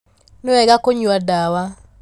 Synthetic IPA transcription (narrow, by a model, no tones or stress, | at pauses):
noɛɡakoɲuadawa